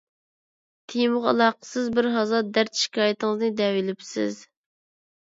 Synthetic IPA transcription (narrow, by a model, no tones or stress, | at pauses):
t̪ʰijmʊʁɑlˠɑqə̥sɨzbɪɾɦɑzɑd̪æɾt̪ʃi̥kʲʰɑːjit̪əŋəznɨd̪ɛwɪlɪpsɪ̰z